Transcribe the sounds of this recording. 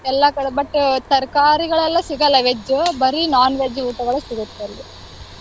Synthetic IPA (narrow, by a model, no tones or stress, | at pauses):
ɛlːɐkɐɽɐbɐʈːut̪ɐɾkaːɾiɡɐɭɛlːɐsiɡɐlːɐʋed͡ʒubɐɾinaːnʋeːd͡ʒiuːʈɐɡɐɭɐsiɡut̪ːɐlːi